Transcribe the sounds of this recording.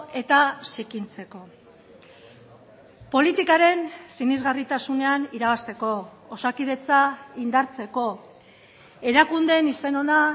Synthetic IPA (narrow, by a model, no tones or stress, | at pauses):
e̞t̪asikint͡se̞ko̞ | po̞lit̪ikaɾe̞nsinizɣarit̪asune̞aniɾaβast̪e̞ko̞ːsakiðe̞t͡saind̪aɾt͡se̞ko̞ | e̞ɾakund̪e̞nise̞no̞na